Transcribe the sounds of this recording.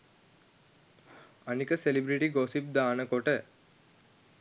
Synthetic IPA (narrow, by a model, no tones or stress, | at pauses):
ɐnikəselibɾiʈiɡoːsip̚d̪aːnəkoʈə